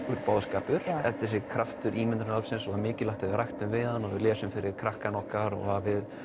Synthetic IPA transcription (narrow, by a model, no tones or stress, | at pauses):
ʏɾpaːwðskaːpʏɾ̥ɛt̪ɪ̥sɪkʰɾaft̪ʏɾʔiːmɛnt̪ɾɪnalsɪnsɔamɪːcɪlawht̪aɪɾajxt̪ʏmvɪðanɔvɪlɛːsʏmfɪɾɪɾ̥kʰɾahkanɔhkaɾɔ̰ɣhavɪð